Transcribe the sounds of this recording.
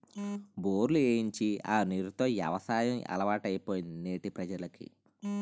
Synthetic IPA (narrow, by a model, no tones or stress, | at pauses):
boːɾlueːjiɲt͡ʃiaːniɾut̪o̞ːjɐ̰ʋɐsaːjɐmɐ̰lɐʋaːʈɐjipoːjinneːʈipɾɐd͡ʒɐɾlɐkḭ